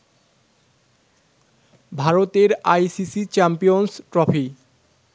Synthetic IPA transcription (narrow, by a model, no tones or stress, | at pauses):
bʱaɾot̪eɾajsisit͡ɕɛmpijonsʈɾɔfi